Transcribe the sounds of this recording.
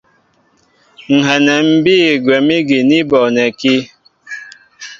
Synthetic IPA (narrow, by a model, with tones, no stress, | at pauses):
ŋ̩˨ɦɛ˨nɛ˨m̩˨bi˦˨ɡwɛ˨mi˦ɡi˨ni˦bɔ˨nɛ˨ki˦